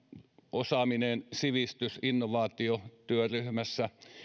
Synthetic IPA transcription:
ʔosɑminensiʋist̪ysinːoʋɑːt̪iot̪yøryhmæsːæ

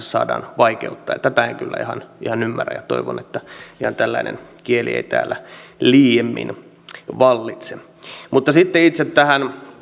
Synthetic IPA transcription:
ssɑ̰ːdɑ̰ːnʋɑikeut̪ːɑːjḛt̪ːæt̪æeŋkylːæ̰ihɑnihɑnymːæræ̰jjɑt̪o̰iʋo̰net̪ːæihɑnt̪ælːæinḛnkieliḛit̪æ̰ːlːæliːjemːḭn | ʋɑlːit̪se | mut̪ːɑsit̪ːeit̪set̪tæhæn

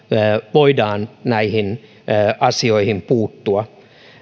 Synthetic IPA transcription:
ʋoidɑːnnæihinː | ʔɑsioihimpuːt̪ːuɑ

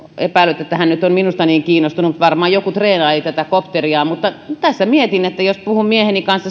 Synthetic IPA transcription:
epæˑilˑyt̪ːet̪ːæhænnyt̪omminust̪ɑniːŋkiːnost̪unumut̪ʋɑrmɑːjjokut̪reːnɑelit̪æt̪ækopt̪eriɑːmut̪ːɑt̪æsːæmiet̪inet̪ːæjospuhummiehenikɑnsɑ

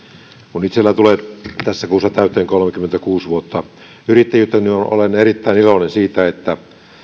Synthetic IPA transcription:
kunit̪selːæt̪uleːˑt̪æsːækuːsːɑt̪æˑyt̪ˑeːŋkolmekymːent̪ækuːsʋuot̪ːɑ | yrit̪ːejyt̪ːɑnːiono̰lenerit̪ːæinilonensiːt̪æet̪ːæ

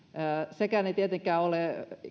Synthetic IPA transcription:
əsekænet̪iet̪eŋkˑæːole

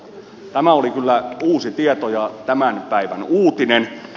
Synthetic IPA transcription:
t̪æmæolikylːæuːsit̪iet̪ojɑt̪æmænpæiʋænuːt̪inen

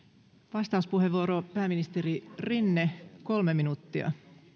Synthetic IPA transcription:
ʋɑst̪ɑuspuheʋʋuoɾopæːminist̪eɾirinːeko̞lmeminut̪ːiɑ̰

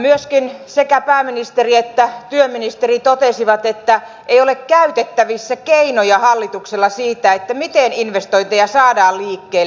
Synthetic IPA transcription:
myøskinsekæpæːminist̪eriet̪ːæt̪yøminist̪erit̪ot̪esiʋɑt̪et̪ːæ | ʔeiolekkæyt̪et̪ːæʋisːækeinojɑhɑlːit̪ukselːɑsiːt̪æet̪ːæmit̪eninʋest̪oint̪ejɑsɑːdɑːlliːkːeː

